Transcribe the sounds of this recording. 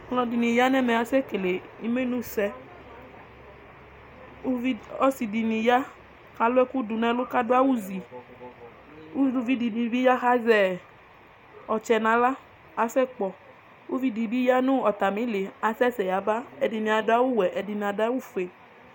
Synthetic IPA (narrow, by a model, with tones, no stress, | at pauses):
lɔ̃˧di˨nĩ˨ja˦nɛ˦mɛ˨a˨sɛ˦ke˨le˨i˦me˦nũ˦sɛ˧˦ | i˦ɔ˦si˨di˨nĩ˨ja˦ | xa˨lʊ˦ɛ˦ku˦du˨nɛ̃˦lo˦ka˦dʊ˦a˦wu˦zi˨ | u˦˨vi˦di˨bi˨bi˦ja˦xa˦zɛ˨ | ɔ˨t͡ʃɛ˨nã˨˦la˦ | a˨sɛ˦k͡pɔ˨ | u˦vi˦di˨bi˦ja˦nũ˦ɔ˨t̪a˨mĩ˨˦le˨a˨sɛ˦sɛ˨ja˨ba˦ɛ˨di˨nĩ˨a˨da˦wu˦wɛ˨ʔɛ˨di˨nĩ˨a˨da˦wu˦˨fe˨